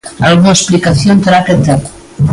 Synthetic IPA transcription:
alɣunaesplikaθjont̪eɾaket̪eko̥

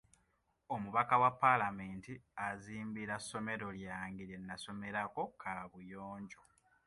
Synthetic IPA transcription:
omuβakawapːalameːntiaziːmbiɾasːo̞me̞ɾo̞ljaːŋɡiɾenːaso̞me̞ɾako̞kʰaβujoːɲɟo̞

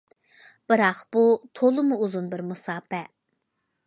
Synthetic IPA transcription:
b̥ɨɾɑqb̥ut̪ʰolˠɨmuuzunbɪɾmusɑːpɛ

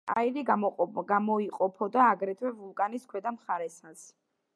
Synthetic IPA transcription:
a̰iɾiɡamɔiqʼɔpʰɔd̪aːɡɾɛt̪ʰwɛvulˠkʼaniskʰwɛd̪amχaɾɛsas

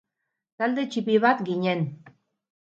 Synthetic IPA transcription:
t̪æld̪et͡ɕipiβat̪ɡiɲʲen

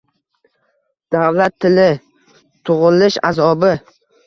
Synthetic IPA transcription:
d̪̥awlat̪ʰːɪlɪ | t̪ʰʊʁʊlɪʃa̰zɒbɪ

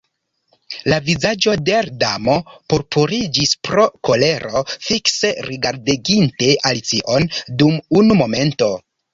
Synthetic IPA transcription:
lavizad͡ʒo̞deɾdamo̞poɾpʰuɾid͡ʒispɾo̞ko̞le̞ɾo̞fikse̞ɾiɡaɾdiɡinte̞ʔalit͡siʔo̞ndumunumo̞me̞nto̞

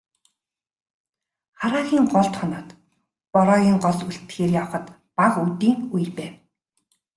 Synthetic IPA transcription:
χaɾaːɣʲiːŋɢɔɮt̪χɔnɔːt̪ | pɔɾɔːɣʲiːŋɢɔsuɬt̪xeːrjawχə̆t̪ | paʁut̪iːŋujpæːw

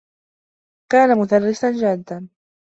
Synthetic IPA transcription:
kaːnamʊd̪arːɪsand͡ʒad̪ːan

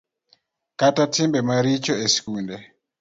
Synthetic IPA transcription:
katatimbɛmaɾit͡ʃɔeskundɛ

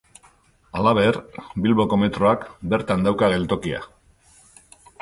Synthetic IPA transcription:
alaβe̞rbilβo̞ko̞me̞t̪ɾo̞akbe̞ɾt̪and̪awkaɣe̞lt̪o̞kia̰

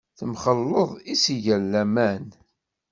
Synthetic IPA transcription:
θəmχəlːəðˤisiʝəlːæmæn

